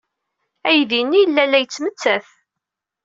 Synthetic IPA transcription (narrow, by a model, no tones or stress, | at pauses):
æjðinːijəlːælːæjət͡sːmət͡sːæθ